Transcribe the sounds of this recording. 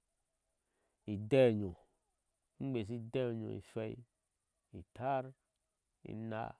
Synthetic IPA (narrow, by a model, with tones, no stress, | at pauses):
i˨dɛ˦˨ɲo˨˦ | ŋ͡m̩˦ɡ͡be˨s̬i˦dɛ˦˨ɲo̰˨ḭ˨fɛ˦i˦ | ḭ˨tʰa˦ɾ | ḭ˨na̰˨